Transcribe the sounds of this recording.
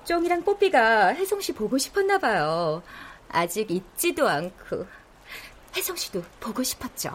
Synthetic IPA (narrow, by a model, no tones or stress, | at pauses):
t͡ɕ͈oŋiɾaŋp͈opʰiɡahe̞sʰʌŋɕʰipoɡoɕʰi̥pʰʌnːabajo | ad͡ʑiɡit̚t͡ɕ͈idoankʰo̰ | he̞sʰʌŋɕ͈ʰi̥dopoɡoɕʰi̥pʰʌt̚t͡ɕ͈o̰